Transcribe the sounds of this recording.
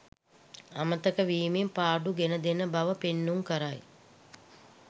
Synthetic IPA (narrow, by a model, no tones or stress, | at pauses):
amət̪əkəʋiːmimpaːɖuɡenəd̪enəbaʋəpenːuŋkəɾaj